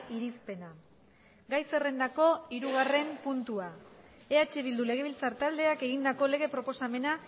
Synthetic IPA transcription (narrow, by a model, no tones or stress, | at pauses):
iɾispe̞na | ɡajse̞re̞nd̪ako̞iɾuɣ̞are̞mpunt̪ua | e̞at͡ʃeβild̪ule̞ɣ̞e̞βilt͡saɾt̪ald̪e̞ake̞ɣ̞ind̪ako̞le̞ɣ̞e̞pɾo̞po̞same̞na